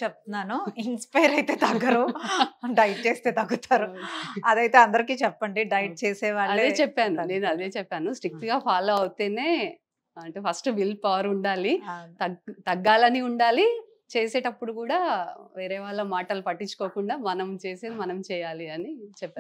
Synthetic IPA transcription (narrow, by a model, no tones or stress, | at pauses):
t͡ʃɛp̚t̪unaːnuinspɐjɐɾɐjt̪eːt̪ɐɡɐɾu | ɖɐjʈ̚t͡ʃeːst̪e̞ːt̪ɐɡːut̪aːɾuɐd̪ɐjt̪e̞ːɐnd̪ɐɾikiːt͡ʃɛpːɐɳɖiɖɐjʈ̚t͡ʃeːsɛːʋaːɐɭld̪eːt͡ʃɛpːaːnune̞ːnuɐd̪e̞ːt͡ʃɛpːaːnusʈɾik̚ʈɡaːpʰaːlo̞ːɐʋut̪eːne̞ː | ɐɳʈeːpʰɐsʈbilpɐʋɐɾuɳɖaːlit̪ɐt̪ɐɡːaːlɐniuɳɖaːli | t͡ʃeːse̞ːʈɐpːuɽukuːɽaːʋeːɾɛːʋaːɭːɐmaːʈɐlupɐʈːit͡ʃːu̥koːkuɳɖaːmɐnɐmt͡ʃeːseːd̪imɐnɐmt͡ʃɛːjaːliɐnit͡ʃɛpːaː